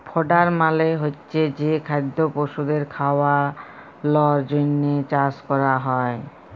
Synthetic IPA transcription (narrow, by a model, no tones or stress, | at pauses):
pʰɔɖaɾmaleɦotːɕʰed͡ʑekʰajd̪ːopoʃud̪eɾkʰaowa | lɔɾd͡ʑonːet͡ɕaskɔɾaɦɔe